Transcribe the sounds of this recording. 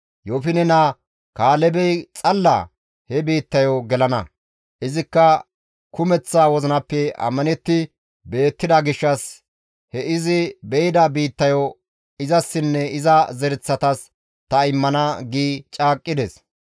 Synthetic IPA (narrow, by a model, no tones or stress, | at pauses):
joːfɪnɛna | kaːlɛbɛjt͡sʼɐlːɐ̰ | hɛbiːt̪ːɐjoɡɛlɐnɐ̰ | ʔɪzɪkːɐ | kʊmɛt͡sːaːwɔzɪnɐpːɛɐ̰mːɐnɛt̪ːɪ | be̞ːt̪ːɪd̪ɐɡɪʃːɐs | hɛɪzɪbɛjɪd̪ɐbiːt̪ːɐjɔ | ɪzɐsːɪnːɛɪzɐzɛɾɪt͡sːɐt̪ɐs | t̪ɐɪmːɐnɐɡiːt͡ʃʼaːkʼːɪd̪ɛs